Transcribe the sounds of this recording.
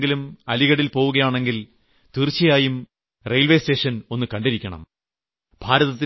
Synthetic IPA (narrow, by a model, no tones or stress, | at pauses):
ɡilumɐliɣɐɽilpo̞ːʋuɣɐjaːɳe̞ŋɡil | t̪irt͡ɕːɐjaːjum | rejlʋe̞ːste̞ːʂɐno̞nːɨkɐɳɖiɾikʲːɐɳɐ̰m | b̥ʱaːɾɐðɐt̪ːi